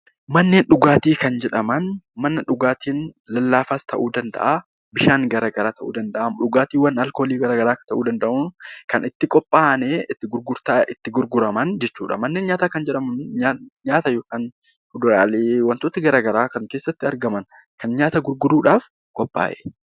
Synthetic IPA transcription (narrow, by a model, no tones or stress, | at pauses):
mɐnːe̞ːnᶑʊɡaːt̪iːkɐnd͡ʒɛᶑɐmɐnmɐnːɐᶑʊɡaːt̪iːnlɐlːaːfaːst̪ʰɐ̰ʔuːd̪ɐnd̪ɐ̰ʔaː | bɪʃaːnɡɐɾaːɡɐɾaːt̪ɐʔuːd̪ɐnd̪ɐʔɐmᶑʊɡaːt̪iːwɐnɐlko̞ːliːɡɐɾaːɡɐɾaːkɐ̥t̪ɐʔuːd̪ɐnd̪ɐʔʊnkɐnɪt̪ːɪkʼɔpʼːaːneːɪt̪ːɪɡʊɾɡʊɾt̪aːɪt̪ːɪɡʊɾɡʊɾɐmɐnd͡ʒɛt͡ʃːuːᶑɐ̰mɐnːeːnɲaːt̪aːkɐnd͡ʒɛᶑɐmɐnaɲaːt̪ɐjoːkaːn | hʊd̪ʊɾaːleːwɐnt̪oːt̪ɐɡɐɾaːɡɐɾaːkɐŋkeːsːɐt̪ːɪɐɾɡɐmɐn | kɐnɲaːt̪ɐɡʊɾɡʊɾuːᶑaːf | kʼɔpʼːa̰ːʔɛ̥